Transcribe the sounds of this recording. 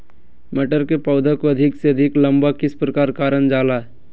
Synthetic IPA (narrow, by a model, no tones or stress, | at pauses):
mɛʈəɾkepɔʊd̪ʱakoɐd̪ʱɪkseɐd̪ʱɪklə̃mbakɪspɾəkaːɾkaːɾənd͡ʒaːlaːɛ